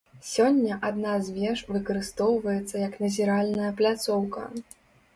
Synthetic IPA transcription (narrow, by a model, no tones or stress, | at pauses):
sʲɔnʲːɐʔad̪nazʲvʲɛʂvɨkɐɾɨst̪ɔwvɐjɛt̪sːɐjɐknɐzʲɛɾalʲnɐjɐplʲat̪sɔwkɐ̰